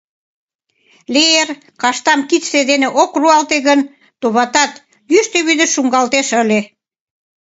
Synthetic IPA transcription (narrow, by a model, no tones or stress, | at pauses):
leer | kɑʃt̪ɑmkit̪ed̪eneʔokruɑlt̪eɣən | t̪oβɑt̪ɑt̪ | jyʃt̪eβyd̪ə̆ʃuŋɡɑlt̪eʃə̆lʲe